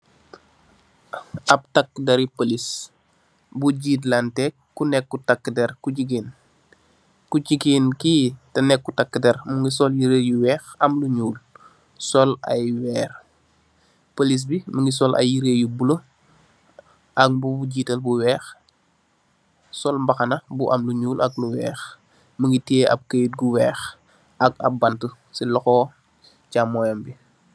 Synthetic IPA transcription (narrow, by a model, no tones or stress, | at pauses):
ɐp̚takːdɐɾipolis | buɟiːtlantɛkːunɛkːutakːdɛɾkuɟiɡ̬in | kucikiːnkitɐnɛkːutakːədɛɾmuŋɡis̬ɔljiɾeːjuwɛːxɐmluɲuːl | sɔlɐ̰jwɛːr | polis̬biməŋɡis̬ɔlɐ̰jiɾeːjubulo | ʔɐk̚buuɟiːtɐlbuwɛːx | sɔlmbɐxɐnɐbuʔɐmluɲuːlʔɐk̚luwɛːx | məŋɡitieʔɐ̰b̚kəjut̚ɡuwɛːx | ɐkɐ̰bɐntu | silɔxɔː | camːɔjɔmbi